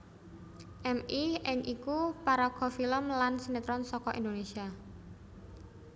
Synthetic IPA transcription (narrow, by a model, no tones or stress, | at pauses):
ʔɛmiʔɪŋʔikupaɾɔɡ̥ɔfiləmlansinet̪ɾɔnsɔkɔʔind̪onesia